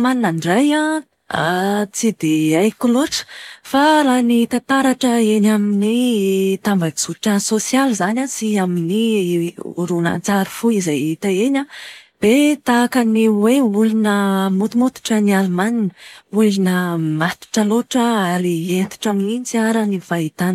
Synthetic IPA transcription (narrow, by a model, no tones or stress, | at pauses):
maninaɳɖ͡ʐaja | a̰t͡sid̪eajkuloʈ͡ʂə̥faɾanit̪at̪aɾaʈ͡ʂəeɲaminit̪ambakiz̥uʈ͡ʂasosializanasiamini | ṵɾuna̰nt͡saɾufuizajit̪aeɲʲab̥et̪akaniweulinəmut̪umut̪u̥ʈ͡ʂənialumaninəulinəmat̪u̥ʈ͡ʂəloʈ͡ʂəaɾient̪i̥ʈ͡ʂaminit͡siaɾanivait̪an